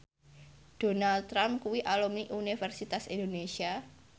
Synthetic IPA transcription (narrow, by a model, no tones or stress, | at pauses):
d̥o̤nalt̪ːɾamkuwiʔalumniʔunifɛrsit̪asindonesia